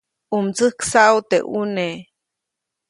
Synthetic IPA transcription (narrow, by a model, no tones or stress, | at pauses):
umt͡sɨhksaut̪ḛʔune